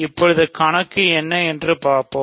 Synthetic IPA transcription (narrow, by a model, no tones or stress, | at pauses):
ɪpːɔɻɯðɯkɐɳɐkːɯɛnːɐɛndrɯpaːɾpõː